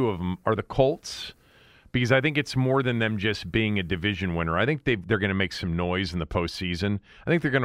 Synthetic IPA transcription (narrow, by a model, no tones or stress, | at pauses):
ʉʌvə̃mə˞ðɨkʰʌlˠts | b̥ɨkʰʌzaɪθɪ̃ŋkɨtsmɔɹðɨ̃nðɨ̃md͡ʒʌsb̥iɪ̃ŋɨdɨvɪʒɨ̃nwɪ̃nə˞aɪθɪ̃ŋk̚ðeɪðə˞ɡʌñɨmeɪksʌ̃mnɔɪzn̩ðəpʰoʊstsizɨ̃n | aɪθɪ̃ŋk̚ðə˞ɡʌn